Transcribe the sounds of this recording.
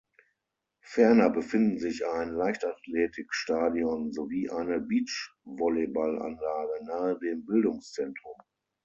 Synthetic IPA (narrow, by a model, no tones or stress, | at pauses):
fɛɐnɐbəfɪndn̩zɪçaɪnlaɪçtatleːtʰɪkʃtaːdiɔnzoviːʔaɪnəbiːt͡ʃvɔlebalʔa̰nlaːɡənaːədeːmbɪldʊŋst͡sɛntʁ̥ʊm